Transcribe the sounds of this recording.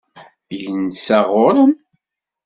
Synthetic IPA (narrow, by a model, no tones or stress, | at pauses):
jənsæʁʊɾəm